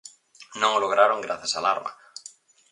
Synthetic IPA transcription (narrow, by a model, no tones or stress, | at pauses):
nõŋoloɣɾaɾoŋɡɾaθasala̰ɾma̰